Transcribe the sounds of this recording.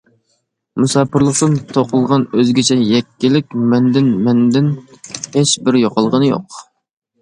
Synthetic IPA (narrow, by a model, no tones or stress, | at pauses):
musɑːpʰɨɾlˠəχt̪ɨnt̪ʰoqəlˠʁɑnøzɡʲɪt͡ʃʰɛjɛkʲːɪlɪkʲmɛnd̪ɪnmɛnd̪ɪnheʃbɪɾjoqʰɑlˠʁənɨjo̰q